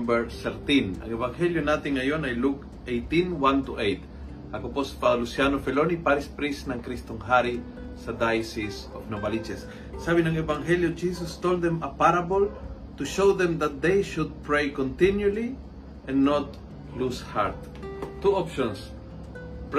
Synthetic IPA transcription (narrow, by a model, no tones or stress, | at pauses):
bɛɹθɛɾt̪ĩnɐ̰ŋɛbaŋhɛljonat̪ɪŋːɐjonajluk | ʔejt̪ĩnwãnt̪uʔejt̪ | ɐkopospalusjanofɛlonipaɾispɾisnɐŋkɾist̪oŋɦaɾi | sɐd̪ajsis | ofnobalid͡ʒɛsː | abɪnɐŋɛbaŋɦɛljod͡ʒisɔst̪old̪d̪ɛmɐpaɾabol | t̪uʃowd̪ɛ̃md̪ɐt̪̚d̪ejʃʊd̪̚pɹejkɔnt̪injʊli | ʔɛ̃nːot̪ | lushaɾt̪̚ | t̪ːuʔopʃɔ̃ns | p